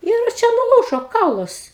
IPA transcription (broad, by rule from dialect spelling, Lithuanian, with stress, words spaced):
ɪr ˈt͡ʃʲɛ nʊˈlˠuːʒoː ˈkɐʊlˠɐs